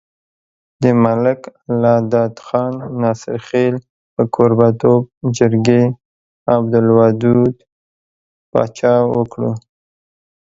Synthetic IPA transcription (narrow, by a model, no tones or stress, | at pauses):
d̪əmalɪklɑd̪ɑd̪xɑnːɑsɪ̰ɾxel | pəkʰoɾbat̪ob̚d͡ʒɪɾɡe | abd̪ʊlwɑd̪ud̪ | pɑ̰t͡ʃɑwəkɽṵ